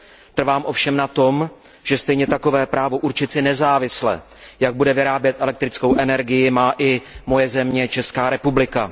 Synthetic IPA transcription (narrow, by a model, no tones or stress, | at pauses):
t̪r̩vaːmʔo̞fʃɛmnat̪o̞m | ʒ̥ɛst̪ɛjɲɛt̪ako̞vɛːpɾʔaːvo̞ʔuɾt͡ʃɪt̪sɪnɛzaːvɪslɛ̰ | jaɡ̚budɛvɪɾaːbjɛt̪ʔɛlɛk̚t̪ɾɪt͡sko̞wʔɛnɛɾɡɪjɪmaːʔɪmo̞jɛzɛmɲɛt͡ʃɛskaːɾɛpublɪka